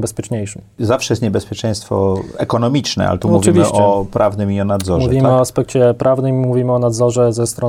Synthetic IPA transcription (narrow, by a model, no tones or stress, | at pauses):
bɛspʲjɛt͡ʂɲejʂɨm | zafʂɛjɛst̪ɲebɛspʲjɛt͡ʂɛ̃j̃st̪fɔ̰ɛkɔnɔmʲit͡ʂnɛ̰a̰lɛt̪umɔuvʲimʲiɕʔɔpɾʔavnɘmiɔnad̪zɔmuʐvʲimɘɔaspɛk̚t͡ɕɛpɾʔavnɘmmuvʲimɘɔnad̪zɔʐɛzɛst̪ɾɔ